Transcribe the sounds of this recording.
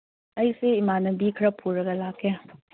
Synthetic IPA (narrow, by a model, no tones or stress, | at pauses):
ɐjseimanɐbikʰɐɾɐpʰuɾɐɡɐlakʰe